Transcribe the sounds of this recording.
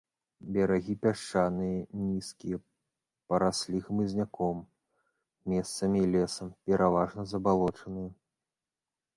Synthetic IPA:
bʲɐɾaɣʲipʲaʂt͡ʂanɨjɐnʲiskʲijɐ | pɐɾasʲlʲixmɨzʲnʲakɔm | mʲɛst̪sɐmʲiːlʲɛsɐmpʲɛɾʔavaʐnɐzɐbalˠɔt͡ʂɐnɨjɐ

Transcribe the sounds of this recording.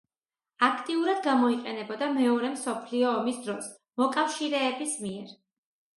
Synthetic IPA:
akʰt̪ʼiuɾad̪ɡamɔiqʼɛnɛbɔd̪amɛɔɾɛmsɔpʰliɔːmisd̪ɾɔs | mɔkʼafʃiɾɛːbismiɛɾ

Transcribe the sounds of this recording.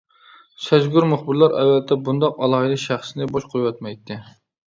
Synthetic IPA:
sɛzɡuɾmʊχbɨɾlˠɑɾɛ̰wːɛlt̪ʰːɛbund̪ɑqɑlˠɑːhɨd̪ɨʃæχsɨnɪboʃqʰojwɑt̪mɛjt̪ʰːɪ

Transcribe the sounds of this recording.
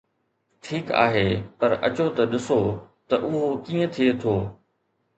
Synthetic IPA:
ʈʰiːka̰ːɦeːpɐɾɐ̰t͡ɕot̪ɐɗɪso | t̪ɐʔʊɦokiːə̃t̪ʰiet̪ʰoː

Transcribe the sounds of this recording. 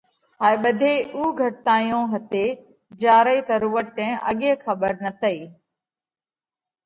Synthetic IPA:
ɦaːeɓəd̪ʱeuːɡʱɐʈ̚t̪ãːijõɦɐt̪eː | d͡ʑaːɾəiːt̪ɐɾuːəʈ̪̚ʈɛ̃ːʔɐɠẽːxɐbəɾnɐt̪ʰəiː

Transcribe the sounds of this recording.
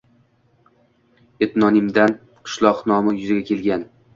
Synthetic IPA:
et̪nɒnɪmd̪an | qʰɨ̥ʃlˠɒqnɒmajʊzɪɡʲakʲʰe̞lɡʲan

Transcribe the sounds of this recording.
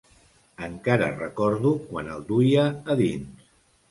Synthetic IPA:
əŋkaɾə̰rəkɔɾðukwa̰nəlˠd̪ujaːðins

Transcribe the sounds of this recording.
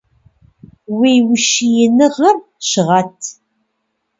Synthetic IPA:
wijwəʃijənəʁəɾ | ʃʁat̪

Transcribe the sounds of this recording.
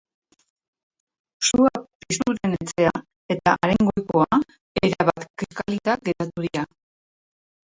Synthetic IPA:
suapist̪uɾe̞ne̞t͡se̞a | e̞t̪aʔaɾeŋɡo̞jko̞a | eɾaβat̪kiʃkalit̪aɡe̞ɾat̪uðia

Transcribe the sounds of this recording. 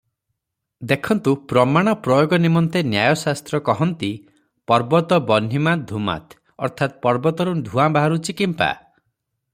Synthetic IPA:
d̪ekʰɔnt̪upɾɔmaɽ̃ɔpɾɔjoɡɔnimɔnt̪enjajɔsast̪ɾɔkɔɦɔnt̪i | pɔɾbɔt̪ɔbɔnːimad̪ʱuma̰t̪ʰ | ɔ̰ɾt̪ʰat̪̚pɔɾbɔt̪ɔɾud̪ʱuabaɦaɾut͡ʃikimpa̰

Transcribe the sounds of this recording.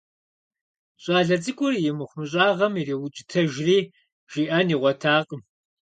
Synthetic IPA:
ɕʼaːɮɐt͡sʼɨkʷʼʊrjɪmɨχʷʊmɨɕ̬ʼaːʁɐmiriːwʊt͡ʃʼɪ̥tʰɐʒriː | ʒ̥iːʔɐniːʁʷɔtʰaːqʼəm

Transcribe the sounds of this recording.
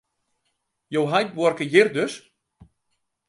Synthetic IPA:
jowɦajt̚bɔrkəjɪrdøs

